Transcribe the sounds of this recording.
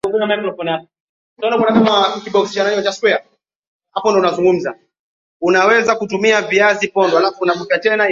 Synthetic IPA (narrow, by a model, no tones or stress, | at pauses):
uŋɡuzamakɾɔfɔna | tɔnakwanakamakiɓɔksi̥ʃanaɲɛɔt͡ʃaswɛa | hapɔndɔunazuŋɡum̩za | unawɛzakutumiaviazipɔndɔalafɔunavupjatɛna